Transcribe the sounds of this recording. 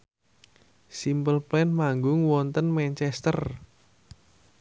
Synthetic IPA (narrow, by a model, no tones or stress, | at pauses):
simpəlplɛnmaŋɡʊŋwɔnt̪ənmɛnt͡ʃɛst̪ər